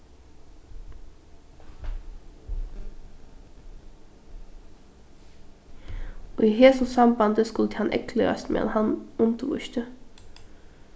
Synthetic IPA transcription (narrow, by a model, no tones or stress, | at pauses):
oːiːheːsʊsɑmbɑnd̪əskʉlt̪ʰəhɑnʔɛ̰kʰləɾɑ̰st̪mḛːɑ̰nhɑnʉnt̪əʋʉ̰ʃt̪ʰə